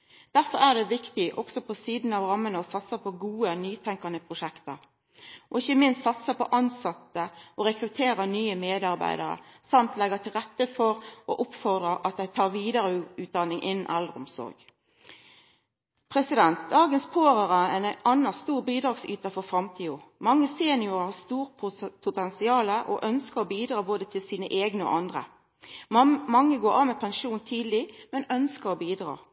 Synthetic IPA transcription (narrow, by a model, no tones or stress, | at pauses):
d̪̥æʁfɔɾæːʁd̪ɛʋɪkt̪ɪʔɔksɔpʰɔsiːd̪n̩ɑʋʁɑmːənəɔsɑt̪səpʰɔɡuːənyːt̪ʰɛŋkɑnəpʰʁʊʃɛkt̪əʁ | ʔɔɪçəmɪnst̪sɑt̪səpɔ̰ʔɑnsɑt̪ːəʔɔɾɛkɾʉt̪ʰeːɾənyːəmeːd̪ɑʁbæ̰ɪd̪əɾə̰sɑmt̪lɛɡət̪ʰɪlʁɛt̪ːəfɔɾɔʔʊpfɔʁd̪ʁəʔɑt̪̚d̪æɪt̪ʰɑːʁʋiːd̪ɑɾəʉːt̪̚d̪ɑnɪŋʔɪnn̩ʔɛlʁəɔ̰msɔ̰ɾɡ̥ | pʰʁɛsɪd̪ɛnt̪̚d̪ɑːɡənspʰoːʁəʁəɛnɑnːɑst̪uːʁbiːd̪ʁɑːɡsyːt̪əfɔʁfʁɑmt̪ʰiːʊmɑŋːəseːnɪʊʁhɑst̪uːʁpʰʊpʰʊt̪ɛnsɪɑːləʔɔ̰ʔœnskəʁɔbiːd̪ɾɑːboːd̪ət̪ʰɪlsiːnəʔeːɡnəɔ̰ʔɑnd̪ʁə̰ | mɑŋːəɡoːɾɑːmɛpʰɛnʃuːnt̪ʰiːd̪lɪmɛnœnskəɾɔbiːd̪ʁɑ̰ː